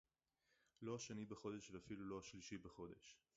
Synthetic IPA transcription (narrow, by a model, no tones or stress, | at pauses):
lo̞aʃenibeχo̞deʃveafilulo̞aʃliʃibeχo̞de̞̰ʃ